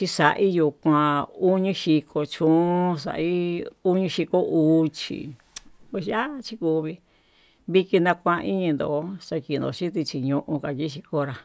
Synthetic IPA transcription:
t͡ʃi˧sa˨ʔi˦ju˧˨kʷã˧u˦ɲĩ˧˦ʃi˧kʰo˧t͡ʃũ˦s̬a̰˨ʔi˦u˦ɲĩ˧ʃi˧ko˦ʔu˨˧t͡ʃḭ˨ | a˧ʃa˦t͡ʃi˦ku˧βi˧ | βi˧ki˧nã˧kʷã˧i˦ɲĩ˧nd̪o̰˨˦sa˧ki˧˨n˨o̰˨ʃi˦t̪̬i˧t͡ʃi˧ɲũ˧ʔũ˧ka˨ki˦ʃi˧ko˧ɾa˧

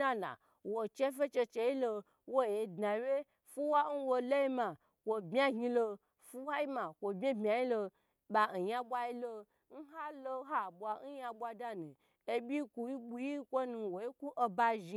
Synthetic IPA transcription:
a˦la̰˨ | wo˨t͡ʃe˦fe˦t͡ʃe˧t͡ʃe˧ji˦lo˧ | wo˦je˨dna˨˦we˦ | fu˦wa˦n̩˦wo˧lo˦ji˦ma˨ | kʷo˨bmʲ˦a˦ɡi˧lo˧ | fu˦wa˦ji˦ma˨kʷo˨bmʲe˦bmʲa˨ji˦lo˧ | ɓa˨n̩˨ja˦bʷa˧ji˦lo˧ | n̩˦ɦa˦lo˧˦ɦa˦˨bʷa˨n̩˦ja˧bʷa˧da˦nũ˨ | e˧bʲi˦ku˧i˦ɓu˦ji˦kʷo˦nũ˧wo˨i˦ku˦ʔo˧ba˧ʒi˧

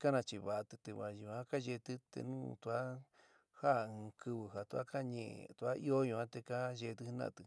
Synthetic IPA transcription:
ka˦nã˧t͡ʃi˧βa˨˧t̪ɨ˧t̪e˧βa˧ju˧ã˦ka˦ʒe˧t̪ɨ˦t̪ḛ˧nũː˦t̪u˧a˦ | ha˦˨ɨ̃˧kɨ˧βɨ˧˨ɦa˨t̪u˧a̰˦ka˦ɲḛ̃˧˨t̪u˧a˦ʔi˦o˦jũ˧ã˦t̪e˧ka˦ʒe˧t̪ɨ˧˦hnã̰˧˨t̪ɨ˧

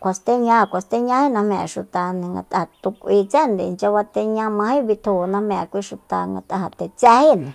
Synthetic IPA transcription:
kʷa˧st̪e˦ɲã˧kʷa˧st̪e˦ɲã˧˦hi˦nã˧mḛ̃˧ʃu˧t̪a˧nẽ˧ŋɡa̰˧t̪a˧t̪u˧kʷi˧t͡se˦˨nd̪e˧nt͡ʃa˧βa˧t̪e˧ɲã˧mã˧hĩ˦βi˧t̪ʰu˧nã˧mẽ˧a˧kʷi˦ʃu˧t̪a˧ŋɡa̰˧t̪ʼa˧ɦa˧t̪e˧t͡se˦hi˦nẽ˨

